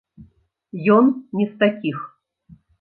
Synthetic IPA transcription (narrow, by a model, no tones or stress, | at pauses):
jɔnnʲɛst̪akʲix